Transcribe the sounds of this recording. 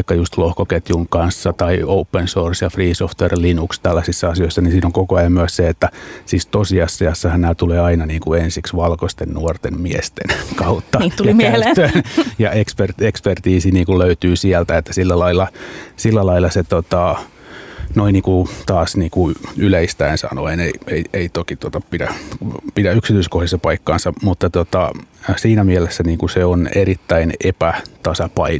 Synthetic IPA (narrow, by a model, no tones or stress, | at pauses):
ikːɑjust̪lohkoket̪juŋkɑnsːɑt̪ɑioupːensorsjɑfriːsoft̪ʋerlinukst̪ælːæsisːɑɑsijoisːɑnisiːnoŋkokoɑjɑmmyæsseet̪ːæsiːst̪osiɑsːiɑsːɑhænæt̪uleːɑinɑniːŋkuensiksʋɑlkost̪ennuort̪emmiest̪enkɑut̪ːɑt̪imøjɑekspert̪ekspert̪iːsiniːŋkulløyt̪yːsiɛlt̪æet̪ːæ̥silːælɑilːɑsilːælɑilːɑset̪ot̪ɑ | noiniːkut̪ɑːsniːkuyleist̪æinsɑ̰noeneieieit̪okit̪uot̪ɑpidæpidæyksit̪yiskohjisːɑpɑikːɑːnsɑmut̪ːɑt̪ot̪ɑsiːnæmielesːæniːŋkuseonerit̪ːæinepæt̪ɑsɑpɑi